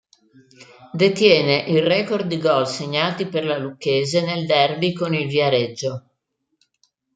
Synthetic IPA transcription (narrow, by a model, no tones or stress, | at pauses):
d̪et̪jɛːneʔirɛːkord̪̚d̪ːiɡɔlseɲːaːt̪iperlalukːeːzeneld̪ɛrbikonilvjaɾed͡ʒːo